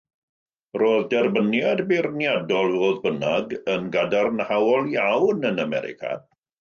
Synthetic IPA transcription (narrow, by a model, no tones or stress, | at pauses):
roːðdɛrbənjadbirnjadɔlˠvoːðbənaɡənɡadarnhawɔlˠjawnənamɛ̰ɾɪ̰kʰa̰